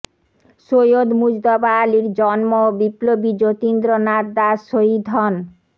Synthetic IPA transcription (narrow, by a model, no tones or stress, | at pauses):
ʃojod̪mud͡ʑd̪ɔbaliɾd͡ʑɔnmobiplobid͡ʑot̪ind̪ɾonaɾd̪aʃoid̪ʱɔn